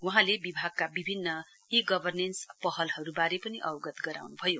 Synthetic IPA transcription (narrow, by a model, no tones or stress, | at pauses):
wuɦãlebibʱaɡ̚kabibʱinːʌ | iɡʌbʱʌrnenspʌhʌlhʌɾubaɾepʌniʔʌwɡʌt̪ɡʌɾa̰wnubʱʌjo